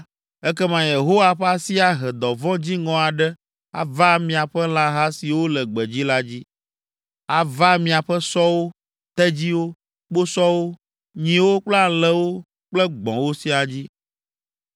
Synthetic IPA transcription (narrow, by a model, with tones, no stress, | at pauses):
ɛ˦kɛ˦mã˨je˨ɦo˦wa˨ɸɛ˦a˦si˦a˨ɦɛ˨d̪ɔ˨vɔ̃˦d͡ʑi˦ŋɔ̃˨a˨ɖɛ˦ | a̰˨va˦mĩ˨a˨ɸɛ˦l̃ã˦ɦa˦si˨wo˦lɛ˨ɡ͡bɛ˨d͡ʑi˦la˦d͡ʑi˦ | a˨va˦mĩ˨a˨ɸɛ˦sɔ˦wo˦ | t̪ɛ˦d͡ʑi˦wo˦ | k͡po˦sɔ˦wo˦ | ɲĩ˨wo˦k͡plɛ˦a˨lɛ˦wo˦ | k͡plɛ˦ɡ͡bɔ̰̃˨wo˦si˦a˨d͡ʑi˦